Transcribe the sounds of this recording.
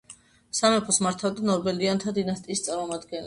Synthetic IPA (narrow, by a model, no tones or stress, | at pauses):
samɛpʰɔsmaɾt̪ʰavd̪anɔɾbɛliant̪ʰad̪inast̪ʼiːst̪sʼaɾmɔmad̪ɡɛnlɛ